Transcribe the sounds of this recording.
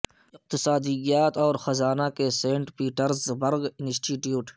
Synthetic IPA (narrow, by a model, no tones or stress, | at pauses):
ɪq̚t̪ɪsaːd̪ijaːt̪ɔːɾxɐzaːnakeseːɳʈpiːʈəɾzbɐɾɡɪnsʈiːʈjuːʈ